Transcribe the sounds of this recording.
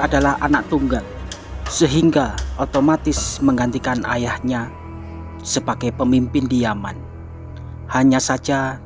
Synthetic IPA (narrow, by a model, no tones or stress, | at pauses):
adalaha̰naʔ̚t̪uŋɡal | səɦiŋɡaʔot̪omat̪ɪsməŋɡant̪ikana̰jahɲa | səbaɡajpəmimpɪndijama̰n | haɲasad͡ʒa